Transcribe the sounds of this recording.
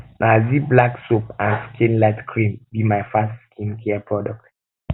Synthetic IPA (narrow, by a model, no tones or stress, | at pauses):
nʔaziblaksopãnskʰĩnlaɪtkʰɹĩmbimajfastskʰĩnkʰɛpʰɹɔdɔk̚t